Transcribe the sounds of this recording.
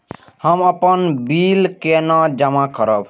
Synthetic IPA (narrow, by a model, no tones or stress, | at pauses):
həməpənbilkenad͡ʒəmakəɾəb